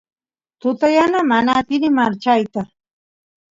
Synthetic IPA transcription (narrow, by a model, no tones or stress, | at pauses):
t̪ʊt̪ajanamanat̪ɪɾɪmaɾt͡ʃajt̪a